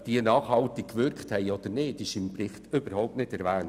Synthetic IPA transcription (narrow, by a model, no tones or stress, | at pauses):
d̥iənɑːχhɑlt̪ɪkkːʋʏɾkχthɛɪɔd̥̪əɾneːtɪʃɪmprɪχtʏb̥əɾhɔʊp̚tnɪtɛɾʋæːn